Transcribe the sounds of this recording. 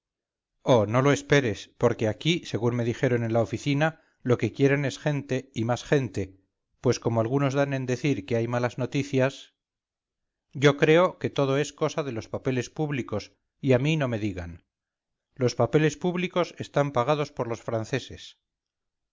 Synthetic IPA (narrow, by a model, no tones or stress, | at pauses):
o̞no̞lo̞e̞spe̞ɾe̞spo̞ɾke̞akise̞ɣunme̞ðixe̞ɾo̞ne̞nlao̞fiθina | lo̞ke̞kje̞ɾe̞ne̞sχe̞nt̪e̞imasχe̞nt̪e̞ | pwe̞sko̞moalɣ̞uno̞zðanẽ̞nd̪e̞θiɾke̞ajmalazno̞t̪iθjas | ɟ͡ʝo̞kɾe̞o̞ke̞t̪o̞ð̞o̞e̞sko̞saðe̞lo̞spape̞le̞spuβliko̞s | iamino̞me̞ðiɣa̰n | lo̞spape̞le̞spuβliko̞se̞st̪ampaɣ̞að̞o̞spo̞ɾlo̞sfɾanθe̞se̞s